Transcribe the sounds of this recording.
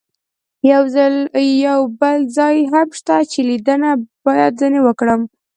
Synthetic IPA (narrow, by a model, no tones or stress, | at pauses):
jawzaljawbəlzɑjɦamʃt̪at͡ʃelid̪ənabɑjad̪zənewəkɽəm